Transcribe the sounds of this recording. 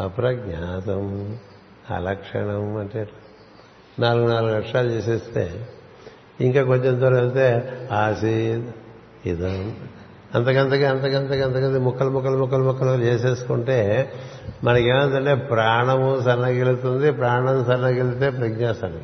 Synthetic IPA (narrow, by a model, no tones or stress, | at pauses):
ɐpɾɐɡɲaːt̪ɐm | ɐ̰lɐkʂɐ̰ɳɐmɐɳʈeː | naːluɡunaːluɡlɐkʂaːlut͡ʃeːseːst̪e̞̰ː | iŋkaːk̬o̞ɲt͡ʃemnt̪oɾɐlt̪eːaːsi | id̪ɐm | ɐnt̪ɐkɐnt̪̬ɐkiɐnt̪ɐkɐnt̪ɐkɐnt̪̬ɐkɐd̪imukːɐlɐmukːɐlmukːɐlɐmukːɐlot͡ʃeːseːsu̥kuɳʈe̞ː | mɐnɐkeːmɐɳʈ̪ɐɳʈe̞ːpɾaːɳɐmsɐɾnakɡelut̪und̪ipɾaːɳɐmsɐɾnɐɡelut̪eːpɾɐɡɲaːsɐnɐ